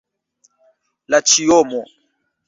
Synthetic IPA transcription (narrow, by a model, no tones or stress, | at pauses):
lat͡ʃijɔmɔ